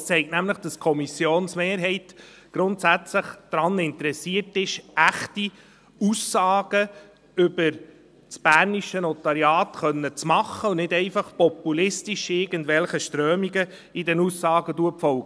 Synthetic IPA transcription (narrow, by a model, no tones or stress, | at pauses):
st͡sɛɪktnæmləχd̥ɑskʰɔmisjoːnsmeːɾɦɛɪt | ɡ̥ɾʊntsæt͡sləχd̥ɾɑnɪntəɾɛsiətɪʃæχti | uːsːɑːɡ̥ə | ʏbəɾ | t͡sb̥æːɾniʃənɔt̪ɑɾjɑːtχœnːət͡smɑχːəʊnɪdɛɪfɑχpɔpulɪstiʃɪɾɡəndvɛlχəʃtɾœːmiɡə | idɛnuːsːɑːɡəduəpfɔlɡə